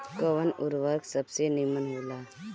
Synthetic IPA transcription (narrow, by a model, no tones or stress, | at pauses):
kəʋənʊɾʋəksəbsenimənɦoːlaː